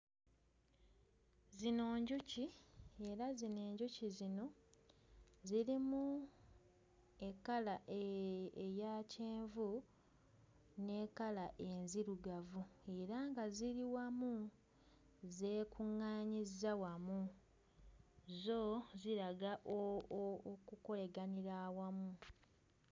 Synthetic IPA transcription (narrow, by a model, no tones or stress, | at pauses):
zino̞ːɲɟucie̞ɾazine̞ːɲɟucizino̞ | ziɾimu | e̞kalaʔeejaːceːɱvu | ne̞ːkalaʔe̞nziɾuɡavue̞ɾaŋɡaziɾiwamu | ze̞ːkʰuŋːaːɲizawamu | zo̞ziɾaɡaʔookuko̞le̞ɡaniɾawamu